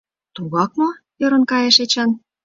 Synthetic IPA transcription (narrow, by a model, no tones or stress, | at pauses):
t̪uɣɑk̚no | jø̆ɾɤ̆nkɑjeʃet͡ɕɑn